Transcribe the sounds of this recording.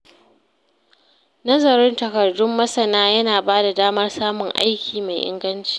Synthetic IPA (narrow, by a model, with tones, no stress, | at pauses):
nɐ˦zɐ˨ɾɪ˦ntɐ˨kɐ˨rdʊ˦mːɐ˦sɐ˨naː˦jɐ˦naː˨baː˦da˨daː˦mɐ˦rsaː˦mʊ˨ŋʔa̰˦jkʲʰiː˨ma˨jʔɪ̰˦ŋɡɐ˦nt͡ʃi̥ː˨